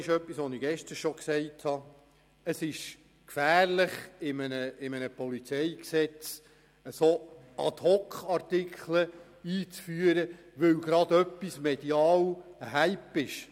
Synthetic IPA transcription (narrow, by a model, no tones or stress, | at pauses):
ɪʃœpːisʋɔniɡ̥ɛʃtəɾʃɔksɛɪthɑ | əsɪʃ | kfæːɾlɪχɪmənəɪmənəpɔlit͡sɛɪksɛt͡s | əso | ɑ̰t̪hɔkχɑɾtɪkʰχlə | iːt͡sfyəɾə | ʋɵwɡɾɑd̪œpːismɛd̥iɑːwɦæɪpɪʃ